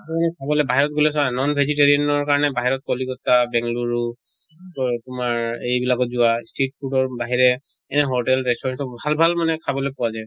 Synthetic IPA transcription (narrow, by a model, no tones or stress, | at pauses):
amanɛkʰabɔlɛbaɦiɹɔt̚ɡolɛsɔanɔnbʱeziteɹiɔnɔɹkaɹɔnɛbaɦiɹɔt̚kɔliɡɔtabɛŋɡluɹu | tʊmaɹejbilakɔt̚zʊwastit̚pʰudɔɹbaɦiɹɛ | ɛnɛɦoʈɛlɹɛstɔɹansɔbʱalbʱalmanɛkʰabɔlɔpʊazaj